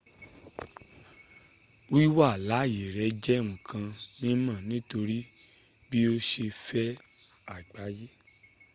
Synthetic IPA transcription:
wi˦wa˦˨la˨˦˨je˨ɾɛ˨˦d͡ʒɛ˦˨ŋũ˨kʰã˧nĩ˦mã˦˨nĩ˨˦to˧ɾi˦ | bi˦o˦ʃe˧fɛ˦ | a˨ɡ͡ba˨˦je˦

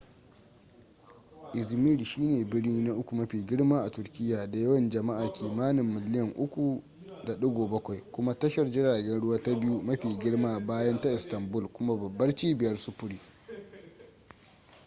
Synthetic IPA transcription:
ʔɪ˨zmi˦lʃiː˦neː˨bɪ˦ɽniː˦na˦ʔʊ˦kʷu˨mɐ˦ɸiː˨ɡʲɪ˦ɽmaː˦ʔa˨tʊ˨rkʲɪ˦jːaː˨da˨jɐ˦wɐ˨nd͡ʒɐ˨ma˦ʔaː˨kʲʰiː˨maː˦nɪ˨mːɪ˨lɪ˦jɐ˨ŋʔʊ˦kʷu˨ | da˨ɗʊ˦ɡʷoː˨bɐ˦kʷa˨jkʷʊ˦ma˦tɐ˦ʃɐ˨rd͡ʒɪ˦ɽaː˨ɡʲɛ˦nɽʊ˦waː˦ta˦bɪ˦ju˦mɐ˦ɸiː˨ɡʲɪ˦ɽmaː˦baː˦jɐ˦nta˦ʔɪ˨stɐ˨mbʊ˦lkʷʊ˦ma˦bɐ˨bːɐ˦rt͡ʃiː˦bɪ˨jɐ˦rsʊ˦pʊ˦ɽiː˦

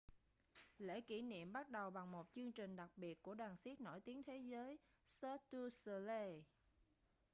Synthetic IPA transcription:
lḛ˧˥˩ki˧˩nḭ˧˨əmɓa˦˥t̚ɗə˨˩wɓa˨˩ŋmo˨˩t̚t͡ɕɨ˧əŋt͡ɕï˨˩ŋ̟ɗa˨˩k̚ɓi˨˩ət̚ku˧˩əɗaː˨˩nsi˦˥t̚no̰˧˩jt̪i˨˦əŋt̪ʰe˨˦zəː˨˦j | sə˧t̪u˧sə˧le˧

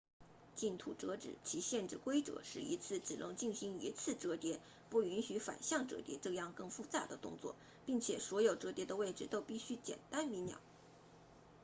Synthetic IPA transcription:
t͡ɕi˥˩nt̪ʰṵ˨˩ʈ͡ʂɤ˧˥ʈ͡ʂɻ̩˨˩t͡ɕʰi˧˥ɕjɛ˥˧nʈ͡ʂɻ̩˥˩kwe˥ɪʈ͡ʂɤ̰˨˧˦ʂɻ̩˥˩ḭ˧˥t͡sʰɹ̩˥˩t͡sɹ̩˨˩lɤ̰˧˥ŋt͡ɕi˥˩nɕi˧˥ŋi˧˥t͡sʰɹ̩˥˩ʈ͡ʂɤ˧˥t̪jɛ˧˥ | pu˥˩y˧˥nɕy˧˥fa̰˨˩nɕjɑ˥˩ŋʈ͡ʂɤ̰˧˥t̪jɛ̰˧˥ʈ͡ʂɤ˥˧jɑ˥˧ŋkɤ˥˧ŋfu˥˧t͡sa˥˩d̪ə˩t̪ʊ˥˧ŋt͡swɔ̰˥˩ | pi˥˩ŋt͡ɕʰjɛ˨˩swɔ˧˥jo˨˩ʊʈ͡ʂɤ˧˥t̪jɛ˧˥d̪ə˧we˥˩ɪʈ͡ʂɻ̩˥˩t̪o˥ʊpi˥˩ɕy˥t͡ɕjɛ̰˨˩nt̪a˥nmi˧˥njɑ̰˨˩˦

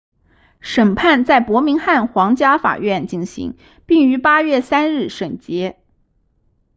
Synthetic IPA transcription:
ʂə˨˩npʰa˥˧nt͡sa˥˩ɪpwɔ˧˥mi˧˥ŋxa˥˩nxwɑ˧˥ŋt͡ɕja˥fa̰˨˩ɥɛ˥˧nt͡ɕi˥˩nɕḭ˧˥ŋ | pi˥˩ŋy˧˥pa˥ɥɛ˥˩sa˥nɻɻ̩˥˩ʂɤ˨˩ŋt͡ɕjɛ˧˥

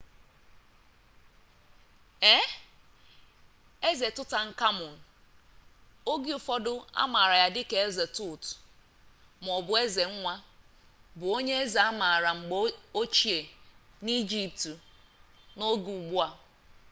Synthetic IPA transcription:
e˦ | e˦ze˨tʊ˦ta˨ŋ̩˦ka˦mʊ˨n̩˨ | o˦ɡɪ˦ʊ˨fɔ˦dʊ˦a̰˦ma˨ɾa˨ja˨dɪ˦ke˨e˦ze˨tʊ˨t | m˨ɔ˨bʊ˨e˦ze˨ŋ̩˦ŋʷa˦ | bʊ˨o˦ɲe˦e˦za˨a˦ma˨ɾa˨ŋ͡m̩˨ɡ͡bo˦t͡ʃi˨e˨ | ni˦d͡ʒi˨p̚t | no˦ɡu˨u˨ɡ͡bʊ˦a˨

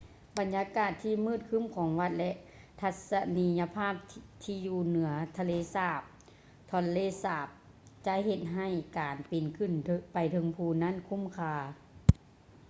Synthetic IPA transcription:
ba˨˩njaː˧kaː˧˩t̪ʰːiː˧˨mɯː˧˥˩t̪̚kʰɯ˧˥˨mkʰɔː˨˦ŋʋa˧t̪̚lɛ˧ʔ | t̪ʰa˧t̪̚sa˧niː˧˥ja˧pʰaː˥˩p̚t̪ʰiː˧juː˧˩nɯ˨˩˦ɐt̪ʰa˧leː˧˨saː˧˩p̚ | t̪ʰɔ˧˥nleː˧˥˨saː˧˩p̚ | t͡ɕa˧ɦe˧t̪̚ɦa˧˩jkaː˨˩npi˨˩nkʰɯ˧˩n˧pa˨˩jt̪ʰɤ˧˦ŋpʰuː˧˩na˧˥˨nkʰu˧˥˨mkʰaː˧˩

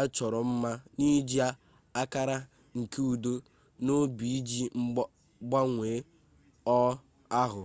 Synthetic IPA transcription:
a˦t͡ʃɔ˨ɾɔ˨m̩˦ma˦ni˦d͡ʒi˦a˦ | a˦ka˦ɾa˦ | ŋ̩˨ke˦u˨do˦ | no˦bi˨i˦d͡ʒi˦ | ɡ͡ba˦ŋʷeː˨˦ | ɔ˦ | a˦ɦʊ˨

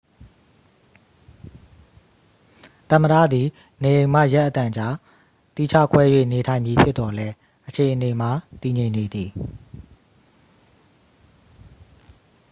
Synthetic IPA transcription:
t̪ə̃˨məɾa̰˦˨d̪i˨ | ne˨jẽ˨ɪ̃ma̰˦˨jɛ˦ʔət̪ã˨ɲd͡ʑa˦ | t̪i˦˨t͡ɕʰä̰˦˨kʰwɛ˦jwḛ˦˨ne˨tʰã˨ɪ̃mbi˨pʰjɪ˦t̪ɔ˨lɛ˦ | ʔət͡ɕʰe˨ʔəne˨ma˨t̪i˨ɲẽ˨ɪ̃ne˨d̪i˨

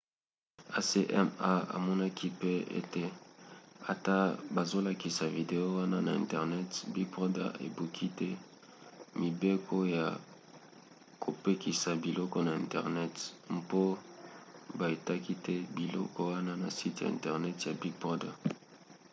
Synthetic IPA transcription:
a˦se˦ʔɛ˦ma˦a̰˨mɔ˦na˦kʰi˦pe˦ḛ˦te˦ | a˨ta˦ba˨zo˦la˨ki˨sa˨vi˨de˨o˦wa˦na˦na˨ɛ̰˨ntɛ˨ʁnɛ˦tbi˦pʁɔ˦da̰˦ḛ˨bu˨kʰi˦tɛ˦ | mi˨be˦kʰo˦ja˨ | ko˨pe˦ki˨sa˨bi˨lɔ˦kɔ˦na˨e˨ntɛ˨ʁnɛ˦tm˦po˦ | ba˨e˨ta˦ki˦tɛ˦bi˨lɔ̰˦kɔ˦wa˦na˦na̰˨si˦tja̰˨ḛ̃˨ntɛ˨ʁnɛ˦tja˨bi˦pɔ˦da˨

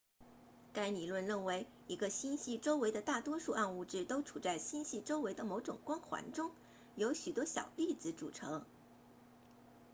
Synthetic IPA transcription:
ka˥ɪni˨˩lwə˥˧nɻə˥˩nwe˧˥ɪ | i˧˥ɡə˧ɕi˥nɕi˥˩ʈ͡ʂo˥ʊwe˧˥ɪd̪ə˧t̪a˥˩t̪wɔ˥ʂu˥˧ʔa˥˧nu˥˧ʈ͡ʂɻ̩˥˩t̪o˥ʊʈ͡ʂʰu˨˩t͡sa˥˩ɪɕi˥nɕi˥˩ʈ͡ʂo˥ʊwe˧˥ɪd̪ə˧mo˧˥ʊʈ͡ʂʊ˨˩ŋkwɑ˥ŋxwa̰˧˥nʈ͡ʂʊ˥ŋ | jo˧˥ʊɕy˨˩t̪wɔ˥ɕjɑ̰˨˩ʊli˥˩t͡sɹ̩˧˩ʈ͡ʂṵ˨˩ʈ͡ʂʰɤ˧˥ŋ

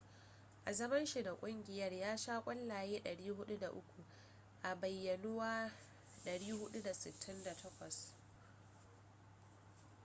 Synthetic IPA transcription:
ʔa˨zɐ˦mɐ˦nʃi˨da˨kʷʼʊ˦ŋɡʲɪ˨jɐ˦rjaː˦ʃaː˦kʷʼɐ˦lːaː˨jeː˦ɗɐ˨ɽiː˦ɦʊ˦ɗu˦da˨ʔʊ˦kʷu˨ | ʔa˨bɐ˨jːɐ˨nʊ˦waː˦ | ɗɐ˨ɽiː˦hʊ˦ɗu˦da˨sɪ̰˨tʰːɪ˦nda˨tʰɐ˦kʷɔ˨s

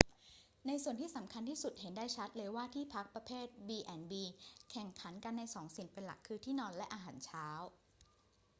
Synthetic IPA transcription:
na˧jsu˨˩ənt̪iː˥˩sa˩˦mkʰa˧nt̪ʰiː˥˩su˨˩t̪̚he˩˦ndaː˥˩jt͡ɕʰa˦˥t̪̚lɤː˧jwaː˥˩t̪ʰiː˥˩pʰa˦˥k̚pɾa˧pʰeː˥˩t̪̚biː˧ʔɛ˧˩nbiː˧kʰɛ˨˩ŋkʰa˩˦nka˧nːa˧jsɔː˩˦ŋsi˨˩npe˧nla̰˨˩kʰːɯː˧t̪ʰiː˥˩nɔː˧nlɛ˦˥ʔaː˧ɦaː˩˦nt͡ɕʰaː˦˥w

